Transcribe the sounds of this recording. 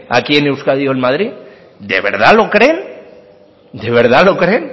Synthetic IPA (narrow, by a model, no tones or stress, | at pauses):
a̰kie̞ne̞wskaðioelmað̞ɾi | d̪ḛβ̞e̞̰ɾð̞alo̞kɾe̞n | d̪eβ̞eɾð̞alo̞kɾe̞n